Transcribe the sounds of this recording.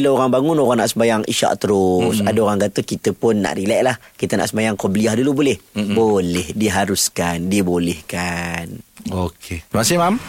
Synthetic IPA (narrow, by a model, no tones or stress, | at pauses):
ilaoɾaŋbaŋʊnoɣaŋnaʔsəmbajaŋḭʃa̰ʔt̪əɾʊsadaoɣaŋɡat̪əkit̪əpʊnːa̰ʔrilaʔlahkit̪əna̰ʔsəmbajaŋkɔbəliahdulubolɛhbolɛhdiɦaɾuskandibolɛhkanokʰemasɪmam